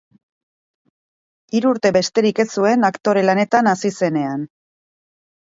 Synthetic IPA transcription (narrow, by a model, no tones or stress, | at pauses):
iɾuːɾt̪e̞βe̞st̪e̞ɾike̞sue̞nakt̪o̞ɾe̞lane̞t̪anasise̞ne̞an